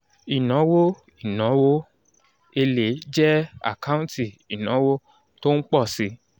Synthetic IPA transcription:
i˨nɔ̃˨˦wo˦ | i˦˨nɔ̃˨˦wo˦ | e˧le˨˦d͡ʒɛ˦a̰˦˨ka˦ũ˦ti˦˨i˨nɔ̃˨˦wo˦ | to˦n̩˦k͡pɔ˦˨si˨˦

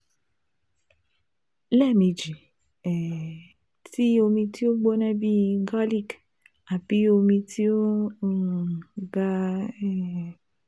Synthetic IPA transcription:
lɛ˦˨mĩ˨˧d͡ʒi˨ | ɛ˨ | ti˦o˧mĩ˧ti˦o˦ɡ͡bo˦nã˦bi˦˧ɡɔ˦li˦k | a˨bi˨˦o˧mĩ˧ti˦o˦˨ | ɡa˦

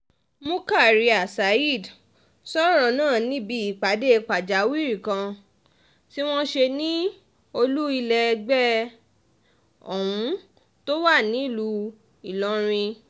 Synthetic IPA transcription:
mũ˦ka˦˨ɾi˧a˨sa˨i˦˨d | sɔ˦ɾɔ˧nãː˦˨nĩ˨˦bi˧˦i˦˨k͡pa˨˦de˦˧k͡pa˨d͡ʒa˨˦wi˦˨ɾĩ˨kã˧ | ti˦w̃ɔ̃˦ʃe˧nĩ˦ | o˧lu˦i˧lɛ˧ɡ͡bɛ˦ | ɔ̰˨wũ˨˦ | to˦wa˦˨nĩ˨˦˨lu˧ | i˨lɔ˨˧˦ɾ̃ĩ˧

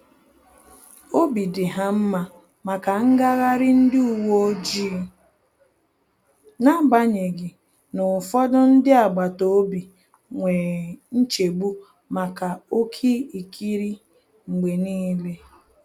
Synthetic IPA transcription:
o˦bi˨dɪ˨ɦa˦m̩˦ma˨ | ma˨ka˨ŋ̩˦ɡa˦ɣa˦ɾɪ˦n̩˦dɪ˦u˨wo˦o˦d͡ʒi˦ | na˦ɡ͡ba˦ɲe˨ɡɪ˨ | nʊ˨fɔ˦dɔ˦n̩˦dɪ˦a˨ɡ͡ba˨to˦bi˨ | ŋʷe˨n̩˦t͡ʃe˨ɡ͡bu˦ | ma˨ka˨o˦kʰi˦i˨kʰi˦ɾi˦ | ŋ͡m̩˨ɡ͡be˨niː˦le˦

